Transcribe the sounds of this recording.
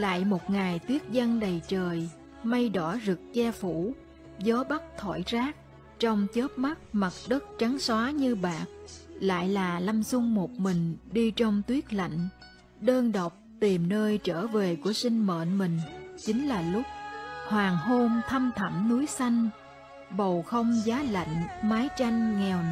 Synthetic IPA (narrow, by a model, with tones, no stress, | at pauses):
la̰ː˧˨jmo˨˩t̚ŋa˨˩jt̪wi˦˥ət̚zə˧nɗə˨˩jt͡ɕəː˨˩j | ma˧jɗɔ˧˩zɨ˨˩k̚t͡ɕɛ˧fu˧˩ | zɔ˨˦ɓa˦˥k̚t̪ʰwa̰˧˩jzaː˦˥k̚ | t͡ɕɔ˧wŋ͡mt͡ɕə˦˥t̚ma˦˥t̚ma˨˩t̚ɗə˦˥t̚t͡ɕa˨˦ŋswaː˨˦ɲɨ˧ɓaː˨˩k̚la̰ː˧˨jlaː˨˩la˧msʊ˧ŋ͡mmo˨˩t̚mï˨˩ŋ̟ɗi˧t͡ɕɔ˧wŋ͡mt̪wi˦˥ət̚la̰˧˨jŋ̟ | ɗəː˧nɗə˨˩wk͡p̚t̪i˨˩mnəː˧jt͡ɕəː˧˩ve˨˩ku˧˩əsï˧ŋ̟mə̰ː˧˨nmï˨˩ŋ̟t͡ɕï˨˦ŋ̟laː˨˩lʊ˦˥k͡p̚hwaː˨˩ŋho˧mt̪ʰə˧mt̪ʰə˧˩mnu˨˦jsa˧jŋ̟ | ɓə˨˩wxə˧wŋ͡mzaː˨˦la̰˧˨jŋ̟maː˨˦jt͡ɕa˧jŋ̟ŋɛ˨˩w